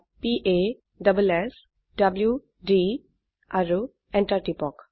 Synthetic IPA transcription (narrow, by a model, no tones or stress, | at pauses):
piʔe | ɖəbules | ɖɐblju | ɖi | aɾu | eɳʈaɾʈipɔk